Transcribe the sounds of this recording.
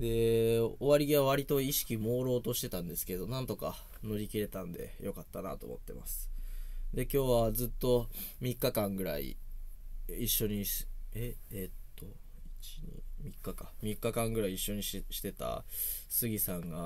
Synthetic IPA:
d̪e̞oβaɾʲiɡiβaβ̞aɾʲit̪o̞iɕi̥kʲimo̞ːɾo̞ːt̪o̞ɕi̥t̪e̞t̪ãnd̪e̞sɨ̥ke̞d̪o̞nãnt̪o̞ka̰ | no̞ɾʲikʲiɾe̞t̪ãnd̪e̞̰jo̞kat̪ːana̰t̪o̞̰ːmo̞̰t̪ːe̞̰ma̰sɨ̥d̪e̞kʲo̞ːβad͡zɨt̪ːo̞ | mʲikːakãŋɡɯ̟ɾa̰ḭ | iɕːo̞ɲ̟ieet̪ʰːo̞ | it͡ɕi̥ɲ̟ḭmʲikːakamʲikːakãŋɡɯɾaiːɕːo̞ɲ̟iɕi̥t̪e̞t̪a̰ | sɨɡʲisãŋɡa

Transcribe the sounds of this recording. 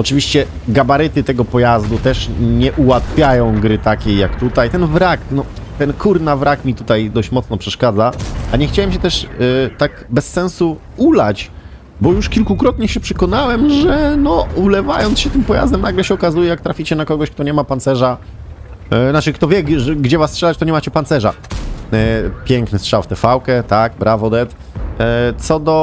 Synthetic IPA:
ɔt͡ʂɘvʲiɕt͡ɕɛ | ɡabaɾɘt̪ɘt̪ɛɡɔpɔjazd̪ut̪ɛʂɲɛʔuwat̪fʲjajɔ̃w̃ɡɾɘt̪akʲejːakt̪ut̪ajt̪ɛnvɾaknɔt̪ɛnkʰuɾnavɾʔakmʲit̪ut̪ajd̪ɔɕt͡ɕmɔt̪snɔpʂɛʂkad̪zaaɲɛxt͡ɕawɛmɕɛt̪ɛʂt̪akbɛsːɛ̃nsu | ulat͡ɕ | bɔjuʂkʲilkukɾɔt̪ɲɛɕɛpʂɛ̥kɔnawɛmʐɛnɔulɛva̰jɔnt̪sɕɛt̪ɘmpɔja̰zd̪ɛmnaɡlɛɕɛɔkazujɛjak̚t̪ɾafʲit͡ɕɛnakɔɡɔɕk̚t̪ɔɲɛmapant̪sɛʐa | nat͡ʂɨkt̪ɔvʲjɛɛɡd͡ʑɛvastʂɛlat͡ɕt̪ɔɲɛmat͡ɕɛpant̪sɛʐa̰ | pʲjɛŋknɘstʂawft̪ɛfawkɛt̪akbɾavɔd̪ɛt̪ | t̪sɔd̪ɔ

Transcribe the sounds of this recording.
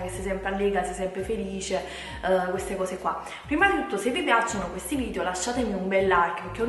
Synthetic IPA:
kesːɛsɛmpɾealːɛːɡɾasɛjsɛmpɾefeliːt͡ʃe | kwest̪ekɔːsekwa̰ | pːɾiːmad̪it̪ut̪ːosevːipjat͡ʃːonokwest̪iviːd̪eolaʃːaːt̪emiumbɛlːarkek̟ːeon

